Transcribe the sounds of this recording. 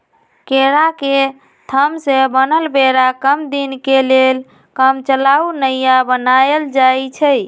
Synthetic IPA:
keɾake | t̪ʰəmsebənəlbeɾakəmd̪inkelel | kəmt͡ʃəlaunəjabənaeld͡ʒajt͡ʃʰə

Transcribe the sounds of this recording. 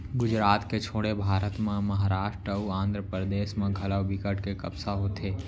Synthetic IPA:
ɡʊd͡ʒɾaːt̪ket͡ʃʰoːɽebʱaːɾət̪mẽmɐɦaɾaːʃʈɾəuãːnd̪ɾəpɾəd̪eːʃmẽɡʱɐləwbɪkəʈkekɐbsaɦoːt̪ʰeː

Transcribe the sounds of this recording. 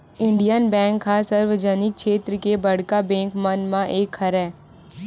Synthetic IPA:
ɪ̃ɳɖijənbɛ̃ːŋkɦasəɾʋəd͡ʒənɪk̚ʃeːt̪ɾəkebɐɽ̤kabɛ̃ːŋkmənmãʔeːkʰɐɾɛː

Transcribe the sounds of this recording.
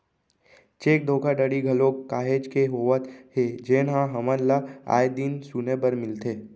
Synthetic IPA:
t͡ʃeːk̚d̪ʱoːkəɖəɽiɡʱɐlokːaːɦeːd͡ʒkeɦoːʋət̪ɦed͡ʒeːnɦãɦɐməɾlaa̰ːjd̪insunebəɾmɪlt̪ʰeː

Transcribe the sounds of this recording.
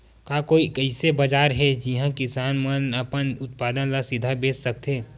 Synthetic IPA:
kaːkoːikəɪsebɐd͡ʒaːɾɦɛd͡ʒiɦãkɪsaːnmənəpənʊt̪paːd̪ənlasɪd̪ʱabeːssək̚t̪ẽː

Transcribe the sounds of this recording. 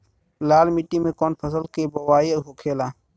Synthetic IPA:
laːlmiʈiːmẽːkoːnpʰəsəlkeːbəwaːiɦoːkʰeːlaː

